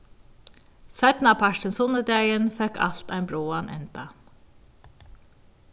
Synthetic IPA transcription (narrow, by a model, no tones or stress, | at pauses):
sæɪt̪n̩ɑːpʰɑʈənsɔnəd̪æjənfɛkɑ̰lt̪æ̰ɪnbɾoːanʔɛ̰nt̪ɑ